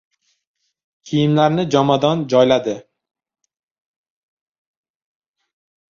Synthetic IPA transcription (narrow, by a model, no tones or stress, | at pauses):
kʲʰijɪmlaɾnɪd͡ʒɒmad̪ɒnd͡ʒɒjlad̪ɪ